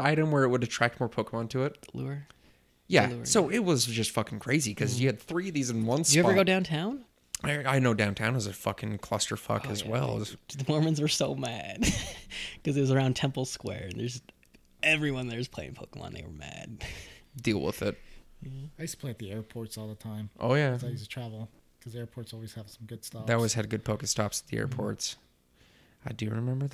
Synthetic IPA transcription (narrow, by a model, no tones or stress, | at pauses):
aɪɾõʊ̃nwə˞ɨt̚wəɾɨtʰɹ̥æk̚t̚mɔɹpʰoʊkəmɑ̃ntʰɨɪt̚lṵə˞ | jæ̰ssoʊɪt̚wʌzd͡ʒʌstfʌkɪ̃ŋkʰɹ̥eɪzikʰʌzjɨɨd̪̚θɹiʌvðizɨ̃nwʌ̃nsɨɛə˞ɡoʊdãʊ̃ntʰãʊ̃n | aɪnoʊdãʊ̃ntʰãʊ̃nwʌzɨfʌkɪ̃ŋkʰl̥ʌ̰stə˞fʌ̰kɨzwɛ̰lˠzðɨmɔɹmɨ̃nzwə˞soʊmæd̥ | kʌzɨt̚ʌzə˞ãʊ̃ntʰɛ̃mpl̩ˠskwɛ̰ɹɨ̃nðə˞z | ɛvɹiwʌ̃nðə˞z̥pʰeɪɪ̰̃ŋpʰoʊkə̃mə̰̃nðḛɪwə̰˞mæ̰d̥̚dilˠwə̰ðɪt̩̚ | aɪʉstə̥pʰl̥eɪt̪̚ðiɛɹpʰɔɹtsɔlˠðətʰãɪ̃mʔo̰ʊjæzaɪjʉstətʰɹ̥ævl̩ˠ | kʰʌzɛɹpʰɔɹtsɔlˠwiz̥əv̥sʌ̃m̩ɡʊd̥stɑðeɔlˠwiz̥ɨd̚ɡʊd̚pʰoʊkɨtstɑpsət̪̚ðiɛ̰ɹpʰɔ̰ɹts | aɪdɨɹɨmɛ̃mbə˞